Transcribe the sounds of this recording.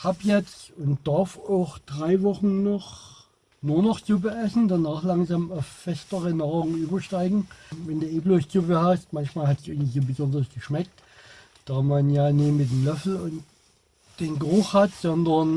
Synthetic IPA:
haːpjɛt͡stʊntd̥aɐfaʊxd̥ʁaɪvɔχn̩nɔχ | nuːɐnɔχzubəʔɛsn̩danaːχlaŋzaːmaʊfːɛstəʁənaːʁʊŋʔyːbɐʃtaɪɡŋ̩vɛnduːʔeːbloːsubəhast̚mançmaːlhatsʔɪɡŋ̩nizoːbəzɔndʁəsɡ̥əʃmɛk̚t | d̥aːmanjaːnɪːmɪt̚demlœfl̩ʊnt | d̥eːnɡəʁʊχhatz̥ɔndɐn

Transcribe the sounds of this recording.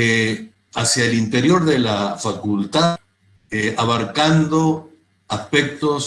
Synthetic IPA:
e | asjaelint̪e̞ɾjo̞ɾðelafakult̪a | eaβaɾkand̪o̞ | aspek̚t̪os

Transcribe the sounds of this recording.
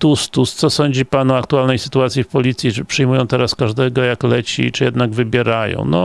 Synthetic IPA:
t̪ust̪ust̪sɔsɔɲd͡ʑipanɔakt̪ualnɛjsɘ̥t̪uat̪sʲjifpɔlʲit̪sʲjipʂɘjmujɔ̃w̃t̪ɛɾaskaʐd̪ɛɡɔjaklɛt͡ɕḭt͡ʂɨjɛd̪naɡvɘbʲjɛɾajɔ̰̃w̃nɔ̰

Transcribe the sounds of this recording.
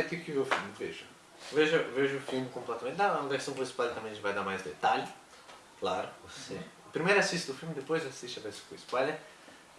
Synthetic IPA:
kiʊkɪveʊfilmɪveʒɐ | veʒɐveʒʊʊfilmɪkõmplɛt̪ɐmẽnt̪d̪ãɐveɾsɐ̃w̃pɾĩspalɪt̪ɐ̃mẽj̃ɪ̃vajd̪aɾmajzd̪et̪alɪ | klaɾʊose | pɾimejɾasist̪ɪd̪ʊfilmɪd̪epojzasist͡ʃɐveɾsɐ̃kʊ̃ispajleɾ

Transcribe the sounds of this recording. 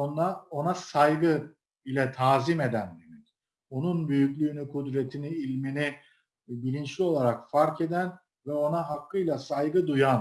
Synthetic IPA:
onˠao̞nasajɡɯ | ilʲɛt̪ʰaːzime̞d̪ænd̪emɛc | o̞nunbyjyclʲyːnykʰud̪ɾet̪ʰiniːlʲmini | bilʲint͡ʃlʲio̞lˠaɾakfaɾke̞d̪æn | vɛo̞naɦakːɯjlʲˠasajɡɯd̪ujan

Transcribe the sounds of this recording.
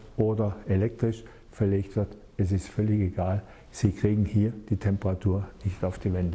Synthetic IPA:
ʔoːdɐʔelɛk̚tʁ̥ɪʃ | fɛɐleːçtv̥ɪɐt | ɛs̬ɪstfœlɪçeɡaːl | z̥iːkʁ̥iːɡŋ̩hiːɐd̥iːtʰɛmpəʁatʰuːɐnɪçtaʊfd̥iːvɛndə

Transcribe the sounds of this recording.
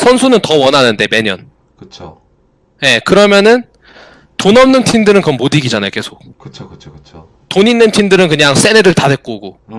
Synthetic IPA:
sʰʌnsʰunɯntʌwʌnɦanɯnde̞me̞ɲʌ̰n | kɯt͡ɕʰo | je̞kɯɾʌmjʌnɯn | tonʌmnɯntʰindɯɾɯnkɯɾʌmːodiɡid͡ʑanajoke̞sʰok̚kɯt͡ɕʰokɯt͡ɕʰoɯt͡ɕʰo | toɲinːɯntʰindɯɾɯnkɯɲaŋs͈e̞neɾɯɭtade̞k͈oɡo

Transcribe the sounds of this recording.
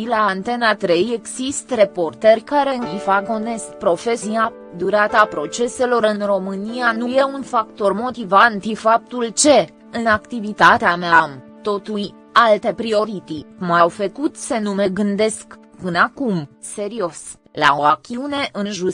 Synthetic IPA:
ilant̪e̞nat̪ɾe̞je̞ɡzist̪re̞po̞rt̪erʲkaɾe̞ɨivaɡo̞ne̞sk̚pɾo̞fe̞sia | d̪uɾat̪əapɾo̞t͡ʃe̞se̞lo̞ɾɨnro̞mɨnijanuje̞unfakt̪o̞rmo̞t̪ivant̪ifap̚t̪ult͡ʃe̞ | ɨnakt̪ivit̪at̪eameamt̪o̞t̪uj | alt̪e̞pɾio̞ɾit̪imawfəkut̪se̞nume̞ɡɨnd̪e̞sk | pɨnəakumse̞ɾio̞s | la̰oakʲiune̞ʔɨnʒu

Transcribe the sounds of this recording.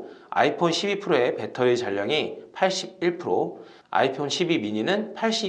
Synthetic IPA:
a̰ipʰonɕʰibipʰɯɾoe̞pe̞tʰʌit͡ɕaʎːʌŋipʰaɭɕ͈ib̚iɭpʰɯɾo | a̰ipʰonɕʰibibiɲinɯnpʰaɭɕ͈i

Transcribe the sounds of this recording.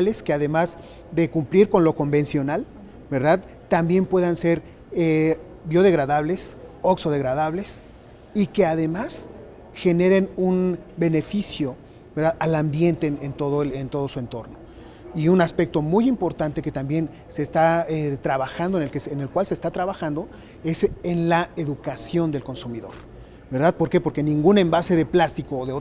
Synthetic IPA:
ale̞skeaðe̞maz | ðe̞kumpliɾko̞nlo̞ko̞mbe̞nsjo̞nal | be̞ɾðað | t̪ambje̞mpwe̞ðanse̞ɾ | e | bjo̞ðe̞ɣɾaðaβle̞sokso̞ðe̞ɣɾaðaβle̞s | ike̞aðe̞mas | xe̞ne̞ɾe̞nunbe̞ne̞fisjo̞ | beɾðaðalambje̞nt̪e̞ent̪o̞ðoent̪o̞ð̞o̞sue̞nt̪o̞ɾno̞ | iunaspe̞k̚t̪o̞mujimpo̞ɾt̪ant̪e̞ke̞t̪ambje̞n | seːst̪aet̪ɾaβaxand̪oenelkesene̞lkwalse̞ːst̪at̪ɾaβaxand̪o̞ | e̞senlae̞ðukasjo̞nd̪elko̞nsumiðo̞̰ɾ | be̞ɾðað̚po̞ɾke̞po̞ɾke̞nĩŋɡunẽ̞mbase̞ðe̞plast̪ikoːðeo

